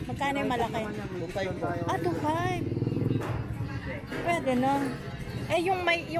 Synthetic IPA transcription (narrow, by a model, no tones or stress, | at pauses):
mɐɡ̚kaːnojmɐlɐkɛaʔɐt̪ufajb | pwɛd̪ɛno | ʔɛjʊŋmɐjjʊ